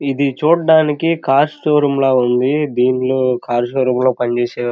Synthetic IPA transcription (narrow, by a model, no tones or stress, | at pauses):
id̪it͡ʃuːɽɖaːnikikaːɾsʈoːɾɐmloːund̪id̪iːnloːkaːɾsʈoːɾɐmlo̞ːpɐɲt͡ʃeːseː